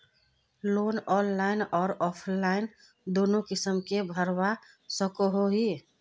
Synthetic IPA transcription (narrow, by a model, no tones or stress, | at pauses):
loːnɔːnlaːɪnɔːɾɔːpʰlaːɪn | d̪oːnõkɪsəmkebʱəɾwa | səkoɦoɦiː